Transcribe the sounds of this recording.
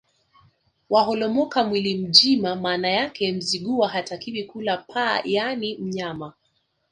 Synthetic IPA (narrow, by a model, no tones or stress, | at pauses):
waɦɔlɔmɔkamwilim̩d͡ʒimamaːnajakɛm̩ziɠuwaɦatakivikulapʰa̰ːjanim̩ɲama